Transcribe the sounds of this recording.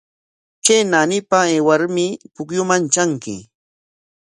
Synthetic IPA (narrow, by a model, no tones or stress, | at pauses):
t͡ʃenanɪpaeːwaɾmɪpʊkjʊmant͡ʃaŋkɪ̰